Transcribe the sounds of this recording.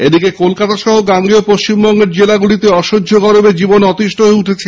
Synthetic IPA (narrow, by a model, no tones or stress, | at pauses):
ed̪ikekolkat̪aʃɔɦoɡaŋɡiopoʃt͡ɕimbɔŋɡeɾd͡ʑelaɡuɽit̪eɔʃodːʱoɡɔɾobed͡ʑibonɔt̪iʃʈoɦeuʈʰet͡ɕʰe